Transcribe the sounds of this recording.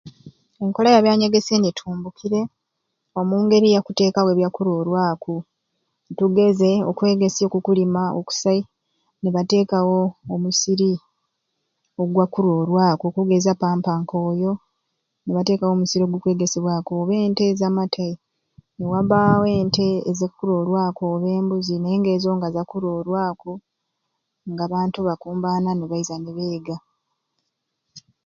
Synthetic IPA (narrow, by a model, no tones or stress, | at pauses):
e̞ŋko̞lajaβjaːɲe̞ɡe̞senetʰuːmbukʰiɾe̞ | o̞muːŋɡe̞ɾijakute̞ːkawe̞βjakuɾo̞ːɾwaːku | tuɡe̞ze̞o̞̰kwe̞ːɡe̞sio̞kukulimao̰ku̥sai | neβate̞ːkawo̞ːmusiɾi | o̞ɡwakuɾoːɾwaːkokuɡe̞zapaːmpaːŋko̞ːjo̞ | neβate̞ːkawo̞ːmusiɾio̞ɡwukwe̞ːɡe̞seβwaːkoβe̞ːnte̞zamatʰai | newaβaːwe̞ːnte̞ːzekːuɾo̞ɾwaːkoβe̞ːmbuzinaeːŋɡe̞ːzo̞ːŋɡazakuɾoːɾwaːko | ŋɡaβaːntuβakuːmbaːnaneβaizaneβeːɡa